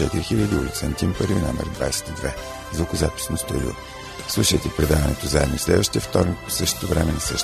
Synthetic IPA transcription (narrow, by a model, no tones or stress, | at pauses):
ɛt̪iɾixilʲəd̪iulʲit̪sɛnt̪ʲimpəɾina̰mɛ̰ɾd̪va̰jsɛ̥t̪id̪vɛ | zvokozapi̥snost̪olʲḭo̰ | slˠuʃəjt̪ɛpɾɛd̪avɐnɛ̰t̪ozaɛd̪noislɛd̪vəʃt̪ijəft̪ɔɾnʲik̚po̥sɤʃt̪ɛ̥t̪ovɾɛmɛnɐsɤʃt̪